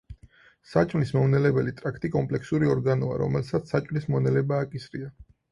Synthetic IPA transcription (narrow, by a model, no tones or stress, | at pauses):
sat͡ʃʼmlismɔvnɛlɛbɛlit̪ʼɾakʰt̪ʼikʼɔmpʼlɛksuɾiɔɾɡanɔa̰ɾɔ̰mɛlsat̪ssːat͡ʃʼmlismɔnɛlɛbaːkʼisɾia